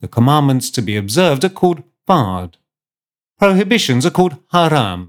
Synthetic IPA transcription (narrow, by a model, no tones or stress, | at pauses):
ðəkʰəmɑ̃nmə̃ntstʰəbiɨbzɜ˞vdəkʰɔlˠd̚ | fɑɹd̥ | pʰɹ̥əʊɦɪbɪʃɨ̃nzəkʰɔlˠd̚haɾã̰m